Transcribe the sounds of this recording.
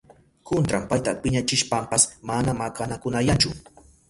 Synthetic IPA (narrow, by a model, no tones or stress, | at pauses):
kont̪ɾampajt̪apɪɲat͡ʃɪʃpampasmanamakanakʊnajant͡ʃʊ